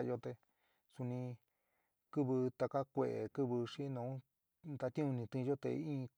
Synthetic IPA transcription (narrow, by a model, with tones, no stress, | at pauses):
jo˧t̪e˧ | su˧nĩ˧ | kɨ˦βɨ˧t̪a˧ka˦kʷḛ˧˨ʔḛ˨kɨ˦βɨ˧ʂi˦nõ˨ũ˦ | t̪a˧t̪ĩ˦ũ˧nĩ˧t̪ĩ˧ʒo˦t̪ḛ˧ĩː˦˧